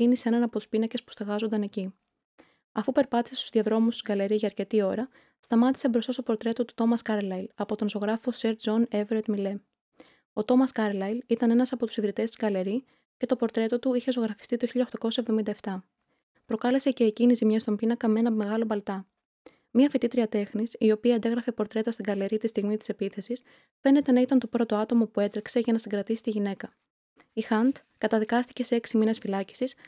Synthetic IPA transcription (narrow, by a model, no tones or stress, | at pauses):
inisee̞nɐnɐpo̞t̪u̥spinɐce̞spu̥st̪ɐɣɐzond̪ɐne̞ci | ɐfupe̞ɾpɐt̪i̥sest̪uzðiɐðɾo̞must̪izɡɐle̞ɾiʝɐːɾce̞t̪io̞ɾɐ | st̪ɐmɐt̪i̥sebɾo̞st̪ɐst̪o̞po̞ɾt̪ɾe̞t̪o̞t̪u̥t̪o̞mɐskɐɾlɐjlɐpo̞t̪o̞nzo̞ɣɾɐfo̞se̞ɾd͡zo̞neveɾet̪mile̞ | o̞t̪o̞mɐskɐɾlɐjlit̪ɐne̞nɐsɐpo̞t̪u̥siðɾit̪est̪izɡɐle̞ɾi | ce̞t̪o̞po̞ɾt̪ɾe̞t̪o̞t̪uiçe̞zo̞ɣɾɐfi̥st̪it̪oçiʎɐoxt̪ɐko̞sɐevðo̞mind̪ɐeft̪ɐ | pɾo̞kɐle̞se̞ce̞ːcinizimɲɐst̪ombinɐkɐmee̞nɐme̞ɣɐlo̞bɐlt̪ɐ | miɐfit̪it̪ɾiɐt̪e̞xnisio̞piɐɐnd̪e̞ɣɾɐfe̞po̞ɾt̪ɾe̞t̪ɐst̪iɡɐle̞ɾit̪ist̪iɣmit̪i̥se̞piθe̞sis | fe̞ne̞t̪e̞nɐit̪ɐnt̪o̞pɾo̞t̪o̞ɐt̪o̞mopue̞t̪ɾikse̞ʝɐnɐsiŋɡɾɐt̪isi̥t̪iʝine̞kɐ | ixɐnt̪ | kɐt̪ɐðikɐst̪i̥ce̞se̞eksimine̞sfilɐci̥sis